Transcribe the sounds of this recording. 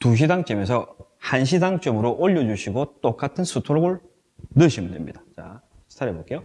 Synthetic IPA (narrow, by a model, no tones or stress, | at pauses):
tuɕ̬ʰidaŋt͡ɕ͈ʌmesʰʌ | hanɕ̬ʰidaŋt͡ɕ͈ʌmɯɾoʔoʎːʌd͡ʑuɕʰiɡot͈ok͈atʰɯnsʰutʰoɾoɡɯɭ | nɯɕʰimdwemɲid̥at͡ɕa | sʰi̥tʰaɾebok͈e̞jo